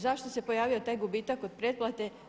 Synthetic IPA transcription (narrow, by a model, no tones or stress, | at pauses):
zaʃt̪o̞se̞po̞jaːʋiot̪aːjɡubiːt̪akod̪̚pɾed̪plˠat̪e̞